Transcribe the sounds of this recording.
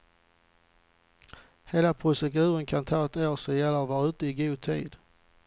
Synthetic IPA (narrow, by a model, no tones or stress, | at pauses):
heːlapʰɾʊsɛɡʉ̟ːɾənkʰant̪ʰɑːɛt̪oːsɔjɛlːəvɑːʉ̟ːt̪əɪɡuːd̪̚t̪ʰḭːd̪